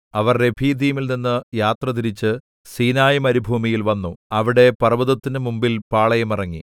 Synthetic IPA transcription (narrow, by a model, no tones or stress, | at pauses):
ɐʋɐrːe̞bʱiːd̪ijmilninːɨjaːt̪rɐt̪iɾit͡ɕːɨ | siːnaːjɐmɐɾubʱuːmijilʋɐnːuɐʋiɽe̞pɐrɐbɐðɐt̪ːinɨmumbilpaːɭɐjɐmirɐŋːḭ